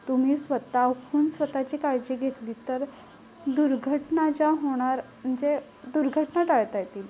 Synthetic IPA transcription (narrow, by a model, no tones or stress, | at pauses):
t̪um̤iːsʋət̪akʰuːnsʋət̪at͡ɕikaɾd͡ʑeɡʱet̪liːt̪əɾ | d̪uɾɡʱəʈnat͡ɕaɦoɽ̃aɾm̤əɳd͡ze | d̪uɾɡʱəʈnaʈaɭt̪ajt̪iːl